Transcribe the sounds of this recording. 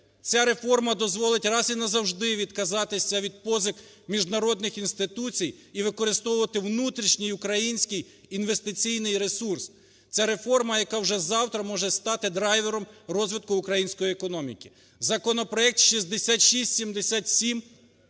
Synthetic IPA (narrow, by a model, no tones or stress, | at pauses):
t͡sʲaɾe̞fɔrmɐd̪ɔzʋɔlˠɪtʲrɑzinɐzɐwʒd̪ɪʋʲid̪kɐzɑt̪ɪsʲɐʋʲid̪̚pɔzʲɪk | mʲiʒd̪nɐɾɔd̪nɪxinst̪ɪt̪ut͡sʲijiʋɪkɔɾɪst̪ɔwʊʋɐt̪ɪwnut̪ɾʲiʃnʲijʊkɾɐjinʲsʲkɪj | inʋest̪ɪt͡sʲijnɪjɾesurs | t͡sʲaɾe̞fɔrmɐjɐkɑwʒɛzɑwt̪ɾɐmɔʒɛst̪ɑt̪ɪd̪ɾɑjʋeɾɔmrɔzʲʋʲid̪̚kʊʊkɾɐjinʲsʲkɔjiekɔnɔmʲḭkʲi | zɐkɔnɔpɾɔɛk̚t̪ʃizʲd̪esʲat̪ʃisʲtʲsʲimd̪esʲat̪ʲsʲim